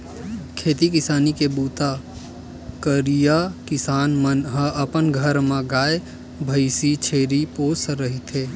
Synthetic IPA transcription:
kʰeːt̪ikɪsaːnikebuːt̪a | kəɾijakɪsaːnmənɦəəpənɡʱəɾmãɡaːe | bʱəɪsit͡ʃʰeːɾipoːsɾəɦit̪ʰeː

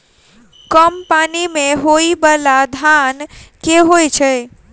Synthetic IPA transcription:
kəmpanimẽɦoibəlad̪ʱankeɦojt͡ʃʰe

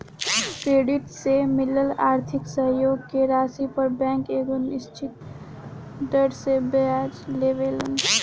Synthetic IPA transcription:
kɾeɖiʈsemiləlaːɾt̪ʰiksəɦjoɡ̚keɾasipəɾbɛ̃ŋkeɡənist͡ʃʰit̪̚ | d̪əɖsebəad͡ʒleʋelən

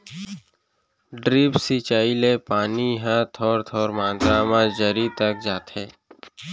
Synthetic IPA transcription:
ɖɾiːpsit͡ʃaːilepaːniɦat̪ʰɔːɾt̪ʰɔːɾmãːnd̪ɾaːmãd͡ʒəɾit̪ək̚d͡ʒaːt̪ɦɛː

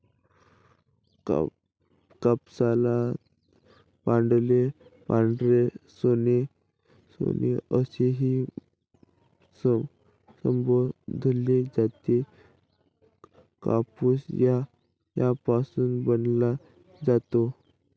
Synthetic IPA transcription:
kəpsala | pãɳɖlepãɳɖlesone | so̰neəseɦi | səmbod̪ʱled͡zat̪e | ka̰pusja | japasuːnbənla | d͡zat̪o

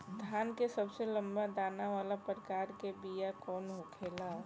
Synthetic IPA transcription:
d̪ʱaːnkesəbselə̃mbad̪aːnaʋaːlapɾkaːɾkebijakɔːnɦokʰeːla

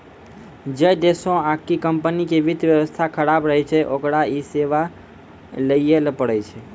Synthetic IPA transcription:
d͡ʒəjd̪esõakikəmpənikeʋid̪ʱʋjəʋəst̪ʰakʰəɽabɾəɦɛt͡ʃʰɛʔokɽaiseʋa | ləielpəɽət͡ʃʰɛ

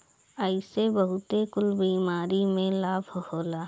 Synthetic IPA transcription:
əɪsebəɦʊt̪ekʊlbiːmaːɾimẽlaːbʱɦoːlaː

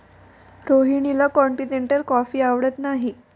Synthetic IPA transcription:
ɾoɦiɳ̃ilakɔɳʈineɳʈəlkɔfiːaʋɽət̪naɦi

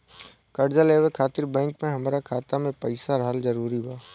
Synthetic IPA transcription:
kəɽd͡ʒaleːʋekʰaːt̪ɪɾbɛ̃ːŋkmẽɦɐmɾakʰaːt̪amẽpəɪsaɾəɦəlzəɾuːɾiɦʊaː

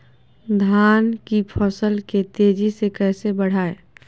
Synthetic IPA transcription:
d̪ʱaːnkipʰəsəlket̪eːd͡ʒisekɛːsebəɽ̤aːe

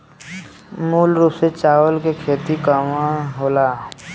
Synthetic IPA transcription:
muːlɾupset͡ʃaːʋəlkekʰeːt̪ikamãɦoːlaː

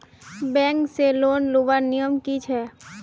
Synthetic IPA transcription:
bɛ̃ːŋkseloːnluʋanijəmkit͡ʃʰɛː

